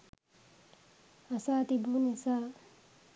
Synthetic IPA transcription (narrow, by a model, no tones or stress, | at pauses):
asaːt̪ibunesaː